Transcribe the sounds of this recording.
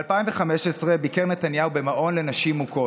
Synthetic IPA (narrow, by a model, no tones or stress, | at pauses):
alpaiɱveχameʃesʁebikeʁnetanjaube̞maʔo̞nle̞naʃimuko